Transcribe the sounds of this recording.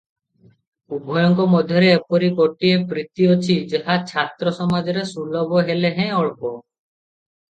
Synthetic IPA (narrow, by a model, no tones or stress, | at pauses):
ubʱɔjɔŋkɔmɔd̪ʱjɔɾeːpɔɾikɔʈiepɾit̪iɔt͡ʃʰid͡ʒeɦat͡ʃʰat̪ɾɔsɔmad͡ʒɔɾesulɔbɔɦeleɦɛ̃ɔɭpɔ